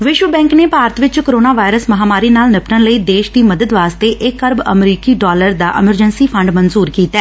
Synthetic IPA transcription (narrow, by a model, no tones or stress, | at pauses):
ʋɪʃʋəbɛ̃ːŋkneːpaːɾət̪ʋɪt͡ʃkoɾoːnaːʋaːɪɾəsməɦaːmaːɾiːnaːlnɪpʈənləiːd̪eːʃd̪iːməd̪əd̪ʋaːst̪eːʔɪkːəɾbə̰mɾiːkiːɖɔːləɾd̪a̰ːʔɪməɾd͡ʒənsiːpʰə̃ɳɖmənzuːɾkiːt̪aː